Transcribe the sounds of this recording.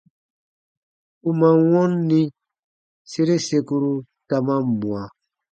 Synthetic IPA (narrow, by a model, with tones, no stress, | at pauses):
u˨ma˨wɔ̃˦nːĩ˦ | se˦ɾe˦se˧ku˧ɾu˦ | ta˨mã˦m˨mũ˨a˨